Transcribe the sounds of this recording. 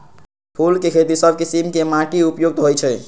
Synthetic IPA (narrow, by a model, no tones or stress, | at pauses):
pʰulkekʰet̪isəb̚ʱkisimkemãʈiupjoɡ̚t̪ɦojt͡ʃʰɛ